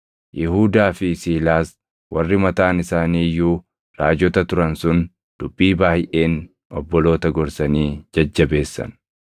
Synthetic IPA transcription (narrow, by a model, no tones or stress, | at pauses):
jʔɪɦuːd̪aːfɪsiːlaːs | wɐrːɪmɐt̪aːnɪsaːniːjuː | ɾaːd͡ʒɔt̪ɐt̪ʊɾɐnsʊn | d̪̥ʊbːiːbaːhɪʔe̞ːn | ʔɔbːɔlo̞ːt̪ɐɡɔɾsɐniːd͡ʒɐd͡ʒːɐbe̞ːsːɐ̰n